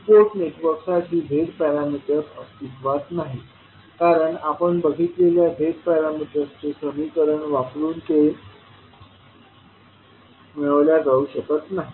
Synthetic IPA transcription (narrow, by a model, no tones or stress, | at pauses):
poɾʈneʈʋəɾksad͡ʑiːbʱeɽpɛɾamiʈ̪jət͡səst̪it̪ʋat̪naɦi | kaɾəɳapəɳbəɡʱit̪leljabʱeɽpɛɾamiʈjəst̪esəmikəɾəɳʋapluːnt̪e | meɭəʋljad͡zauɕəkət̪naɦi